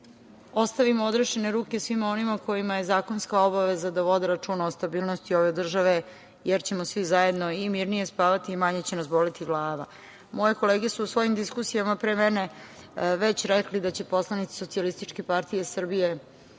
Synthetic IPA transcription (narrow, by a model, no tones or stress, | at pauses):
o̞st̪aʋimood̪ɾeʃene̞ɾuːkʲe̞sʋimo̞nimako̞jimaje̞zaːko̞nskao̞baʋe̞zad̪aʋo̞d̪eɾat͡ʂuːnaost̪abiːlˠnost̪io̞ʋe̞d̪r̩ʒaʋe̞ | jeɾt͡ɕe̞mosʋizaje̞d̪no̞imiɾnije̞spaːʋat̪iːmaɲet͡ɕe̞nasbo̞lit̪iɡlˠaːʋa̰ | mo̞je̞ko̞leːɡesuːsvʋo̞jimd̪iskusijamapɾemɛne̞ʋet͡ɕɾeklid̪at͡ɕe̞po̞slˠanit̪si̥so̞t̪sialist̪it͡ʃke̞paɾt̪ije̞sr̩bije̞